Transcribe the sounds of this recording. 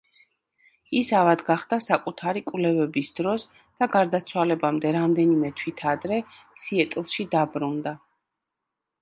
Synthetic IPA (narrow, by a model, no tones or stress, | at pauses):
isavad̪ɡaχd̪̥asakʼut̪ʰaɾikʼwvlɛvɛbisd̪ɾɔs | d̪̥aɡaɾd̪at̪sʰwalɛbamd̪ɛɾamd̪ɛnimɛt̪ʰwit̪ʰad̪ɾɛ | siɛt̪ʼlˠʃid̪abɾund̪a